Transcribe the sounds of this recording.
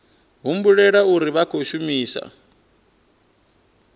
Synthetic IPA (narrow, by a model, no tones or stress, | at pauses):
ɦumbuɺɛɺauɾiβakʰoʃumiːsa̰